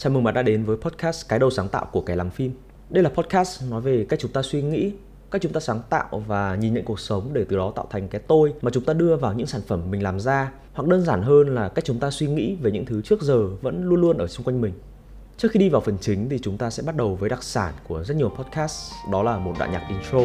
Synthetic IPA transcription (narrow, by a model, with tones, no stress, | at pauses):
t͡ɕaː˨˩mɨ˨˩ŋmaː˨˩ɗa̰ː˧˥ɗe˨˦nvəː˨˦jpʰɔ˦˥t̚kʰaː˦˥skaː˨˦jɗə˨˩wsaː˨˦ŋt̪a̰ː˧˨wʔku˧˩əkaː˨˦jlaː˨˩mfi˧m | ɗə˧jlaː˨˩pʰɔ˦˥t̚kaː˦˥snɔ˨˦jve˨˩ka˦˥k̚t͡ɕʊ˨˦ŋ͡mt̪aː˧swi˧ŋḭ˧˥ | ka˦˥t͡ɕʊ˨˦ŋ͡mt̪aː˧saː˨˦ŋt̪a̰ː˧˨wvaː˨˩ɲi˨˩nɲə̰˧˨ŋku˨˩ək̚sə˨˦wŋ͡mɗe˧˩t̪ɨ˨˩ɗɔ˨˦t̪a̰ː˧˨wt̪ʰa˨˩jŋ̟kaː˨˦jt̪o˧jmaː˨˩t͡ɕʊ˨˦ŋ͡mt̪aː˧ɗɨ˧əvaː˨˩wɲɨ̰˧˥ŋsaː˧˩nfə˧˩mːï˨˩ŋ̟laː˨˩mzaː˧ | wa˨˩k̚ɗəː˧nzaː˧˩nɦəː˧nlaː˨˩kaː˦˥k̚t͡ɕʊ˨˦ŋ͡mt̪aː˧swi˧ŋḭ˧˥veː˨˩ɲɨ̰˧˥ŋt̪ʰɨ˨˦t͡ɕɨ˦˥ək̚zəː˨˩və̰˧˥nlu˧ənlu˧ənʔəː˧˩sʊ˧ŋ͡mkwa˧jŋ̟mï˨˩ŋ̟ | t͡ɕɨ˦˥kxi˧ɗi˧vaː˨˩wfə˨˩nt͡ɕï˨˦ŋ̟t̪ʰi˨˩t͡ɕʊ˨˦ŋ͡mt̪aː˧sɛ̰˧˥ɓa˦˥t̚ɗə˨˩wvəː˨˦jɗa˨˩k̚saː˧˩nku˧˩əzə˦˥t̚ɲi˨˩əwpʰɔ˦˥t̚kʰaː˦˥sɗɔ˨˦laː˨˩mo˨˩t̚ɗa̰ː˧˨jɲaː˨˩ʔi˨˧˩nto˧